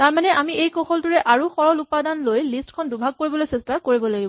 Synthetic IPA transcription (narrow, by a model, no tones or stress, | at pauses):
taɹmanɛʔamiejkɔxɔltuɹɛʔaɹuxɔɹɔlupadanlojlistkʰɔndubʱaɡ̚koɹibɔlojsɛstakoɹibɔlaɡibɔ